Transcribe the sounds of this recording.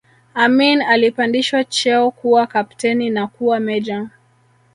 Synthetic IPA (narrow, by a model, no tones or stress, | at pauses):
aminalipandiʃwat͡ʃɛɔkuwakaptɛninakuwamɛd͡ʒaŋ